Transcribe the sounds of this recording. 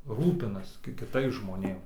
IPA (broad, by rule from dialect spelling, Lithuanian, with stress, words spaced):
ˈruːpʲɪnɐs kʲɪ kʲɪˈtɐɪs ʒmoːˈnʲeːm